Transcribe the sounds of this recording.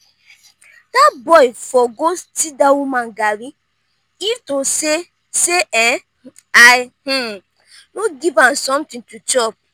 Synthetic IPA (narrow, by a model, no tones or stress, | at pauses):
dabɔɪfɔɡostidawumãŋɡaɾi | itose | seɛ | ajh̩ | noɡivãsɔ̃mtɪ̃ŋtʰut͡ʃɔp̚